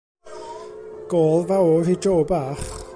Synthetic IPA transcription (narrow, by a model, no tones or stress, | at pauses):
ɡ̥oːlˠvawɔrid͡ʒoːbaːχ